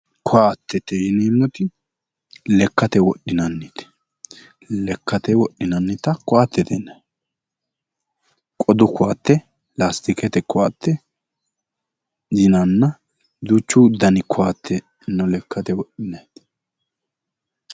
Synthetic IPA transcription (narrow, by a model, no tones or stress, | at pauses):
kʊaːt̪ːɛt̪ɛjɪniːmːɔt̪ɪ | lɛkːɐt̪ɛwɔɗːɪnɐnːɪt̪ɛ̥ | lɛkːɐt̪ɛwɔɗːɪnɐnːɪt̪ɐkʊaːt̪ːɛt̪ɛnːɐ | kʼɔd̪ʊkʊwaːt̪ːɛ | last̪ɪkɛt̪ɛkʊaːt̪ːɛ | zɪnɐnːɐ | d̪ut͡ʃːuːd̪ɐnɪkʰʊwaːt̪ʰːɛ | nːɔlɛkːɐt̪ɛwɔɗɪnɐjt̪